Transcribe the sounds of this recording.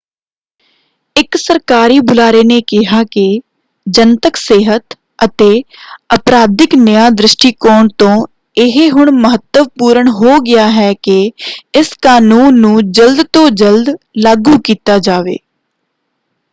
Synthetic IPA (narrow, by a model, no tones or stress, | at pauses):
ɪksəɾkaːɾiːbʊlaːɾeːneːkɪɦaːkɪ | d͡ʒənt̪əkseːɦət̪ | ət̪eːəpɾaːd̪ɪknəjaːd̪ɾɪʃʈiːkɔːɳt̪õː | ɪɦeɦʊɳməɦət̪ːəʋpuːɾəɳɦoːɡɪjaːɦɛːkɪɪskaːnuːnːũːd͡ʒəld̪t̪õːd͡ʒəld̪ | laːɡuːkiːt̪aːd͡ʒaːʋḛː